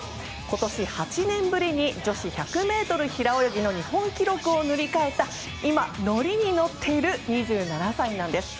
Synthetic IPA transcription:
ko̞t̪o̞ɕihat͡ɕinẽ̞mbɯ̟ɾʲiɲ̟id͡ʑo̞ɕiçakɯ̟me̞ːt̪o̞ɾɯ̟çiɾao̞jo̞ɡʲino̞ɲ̟ihõ̞ŋkʲiɾo̞kɯ̟o̞nɯ̟ɾʲikae̞t̪a | imano̞ɾʲiɲ̟ino̞t̪ʰːe̞iɾɯ̟ɲ̟iʑɨːnanasainãnd̪e̞sɨ̥

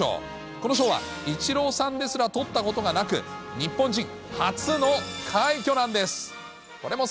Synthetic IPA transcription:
o̰ː | kono̞ɕ̬o̞ːβa̰ | it͡ɕiɾo̞ːsãnd̪e̞sɨɾat̪o̞t̪ːako̞t̪o̞ɡanakɯ̟̰ɲ̟ipːõɲ̟d͡ʑĩŋ | hat͡sɨno̞kʰaikʲo̞nãnd̪e̞sɨ̥ | ko̞ɾe̞mo̞

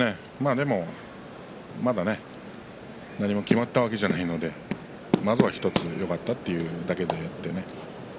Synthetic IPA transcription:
e | maːd̪e̞mo̞ | mad̪ane̞ | naɲ̟imo̞kʲimat̪ːaβake̞ʑanaino̞d̪e̞ | mazɨβaçi̥t̪o̞t͡sɨjʔo̞kat̪ːat̪ːe̞jɯ̟d̪ake̞d̪e̞jat̪ːe̞ne

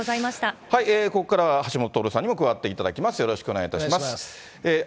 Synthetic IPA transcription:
zaimaɕi̥t̪ahaiekookːaɾahaɕimot̪ot̪oɾɯ̟sãɲ̟ːimo̞kɯ̟βat̪ːe̞it̪ad̪akʲimasɨjo̞ɾo̞ɕi̥kɯo̞neait̪aɕiimasɨ̥ | e

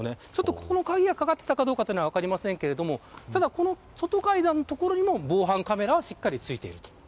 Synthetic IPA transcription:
ne̞t͡ɕo̞t̪ːoko̥kono̞kaɡʲiɡakaɡat̪ːe̞t̪akad̪oːkat̪ːenoaβakaɾʲimasẽ̞ŋke̞ɾe̞d̪o̞mo̞t̪ad̪ako̞no̞ | so̞t̪o̞kaid̪ãnːot̪o̞ko̞ɾo̞ɲ̟imo̞bo̞ːɦãŋkame̞ɾaβaɕikːaɾʲit͡sɨit̪e̞̰ḭɾɯ̟t̪o̥

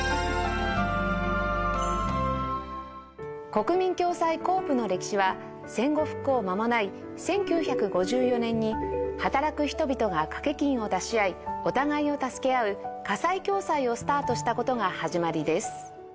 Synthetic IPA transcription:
ko̞kɯ̟mʲĩŋkʲo̞ːsaiko̞ːpɯ̟no̞ɾe̞kʲi̥ɕiβa | sẽ̞ŋɡo̞ɸɯ̟̥kːo̞ːmamo̞nai | sẽ̞ŋkʲɨːçakɯ̟ɡo̞ʑɨːjo̞nẽ̞ɲ̟ːihat̪aɾakɯ̟çi̥t̪o̞bʲit̪o̞ɡakḁke̞kʲĩɰ̃o̞d̪aɕiaio̞t̪aɡaio̞t̪asɨ̥ke̞aɯ̟kasaikʲo̞ːsaio̞sɨ̥t̪aːt̪o̞ɕi̥t̪ako̞t̪o̞ɡahaʑimaɾʲid̪e̞sɨ̥

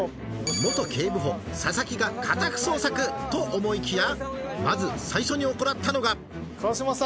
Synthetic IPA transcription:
mo̞t̪o̞kʲʰe̞ːbɯ̟ɦo̞sasakʲiɡakʰat̪akɯ̟̥so̞ːsakɯ̟t̪o̞ʔomo̞ikʲijamazɨsaiɕo̞ɲ̟io̞ko̞nat̪ʰːanoɡa | kaɕimas

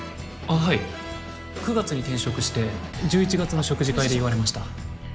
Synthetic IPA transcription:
aɦai | kɯ̟ɡat͡sɨɲ̟it̪ẽ̞ɰ̃ɕo̞kɯ̟ɕi̥t̪e̞d͡ʑɨːit͡ɕiɡat͡sɨno̞ɕo̞kɯ̟ʑikaid̪e̞iβ̞aɾe̞maɕi̥t̪a

